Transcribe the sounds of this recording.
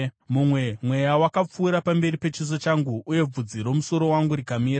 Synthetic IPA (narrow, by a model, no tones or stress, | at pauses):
mumwe̞mwe̞jawakap͡fuːɾapambe̞ɾipe̞t͡ʃizo̞t͡ʃaŋɡuʔːje̞b͡vud͡ziɾo̞muso̞ɾo̞waŋɡuɾikamiːɾa